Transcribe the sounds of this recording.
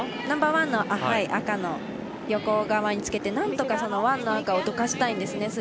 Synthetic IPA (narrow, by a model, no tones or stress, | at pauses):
nãmbaːβãnːo̞ʔahaiʔakano̞ | jo̞ko̞ɡaβaɲ̟it͡sɨ̥ke̞t̪e̞nãnt̪o̞kaso̞no̞βãnːo̞akaod̪o̞kaɕi̥t̪aĩnd̪e̞sɨne̞sɨ